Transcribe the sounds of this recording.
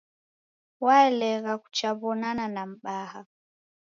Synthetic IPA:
waɛlɛɣaku̥t͡ʃaβɔnananam̩ɓaha

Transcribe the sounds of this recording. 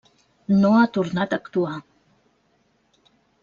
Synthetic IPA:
noat̪urnat̪akt̪ua

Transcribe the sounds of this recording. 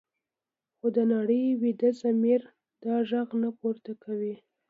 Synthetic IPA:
xod̪ənaɽəjwid̪əzamiɾ | d̪̥ɑʒaɣnapoɾt̪akawi

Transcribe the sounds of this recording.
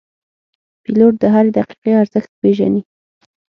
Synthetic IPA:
piloʈ̚d̪əɦaɾed̪aqi̥qeaɾzəxt̪̚peʒa̰ni

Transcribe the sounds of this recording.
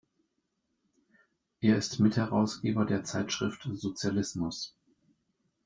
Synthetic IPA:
ʔeːɐɪstmɪthɛʁaʊsɡ̥eːbɐdeːɐt͡saɪtʃʁ̥ɪftz̥ot͡sjalɪsmʊs

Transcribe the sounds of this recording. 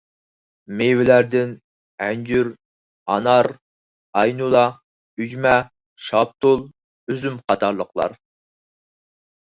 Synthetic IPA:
mewɪlæɾd̪ɪn | ɛnd͡ʒyɾ | ɑ̰nɑɾ | ɑjnulˠɑ | yd͡ʒmɛ | ʃɑp̚t̪ulˠ | yzymqʰɑt̪ʰɑɾlˠəqlˠɑ̰ɾ

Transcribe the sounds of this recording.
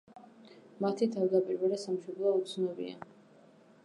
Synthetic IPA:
mat̪ʰit̪ʰavd̪apʼiɾvɛlɛsamʃɔb̪lˠɔut̪sʰnɔbḭa̰

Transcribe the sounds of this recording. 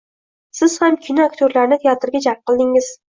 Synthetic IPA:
sɪz̥hamkʲʰɪnaakʲt̪ʰjoɾlaɾnɪt̪ʰejat̪ʰɪɾɡʲad͡ʒaɾp̚qʰɨlˠd̪ɪŋɪz̥

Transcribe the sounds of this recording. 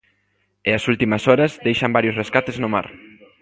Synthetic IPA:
ɪɐsult̪imɐsɔɾɐzðejʃɐmbaɾjosreskat̪eznʊma̰ɾ

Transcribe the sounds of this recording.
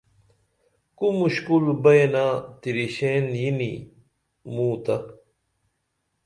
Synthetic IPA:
kumuɕkulbɐjenaːt̪iɾiɕeːnjinḭ | muːt̪ɐ

